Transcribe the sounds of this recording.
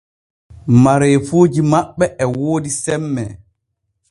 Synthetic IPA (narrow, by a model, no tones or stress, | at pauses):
maɾɛjfoːd͡ʒimaɓːɛʔɛwoːdisɛmːɛ